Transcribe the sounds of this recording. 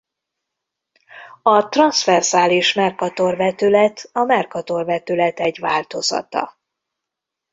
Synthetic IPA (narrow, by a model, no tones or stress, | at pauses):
ɒt̪rɒnsfɛrzaːliʃmɛrkɒt̪o̞rvɛt̪ølɛt̪ɒmɛrkɒt̪o̞rvɛt̪ølɛt̪ɛɟʋaːlt̪o̞zɒ̰t̪ɒ̰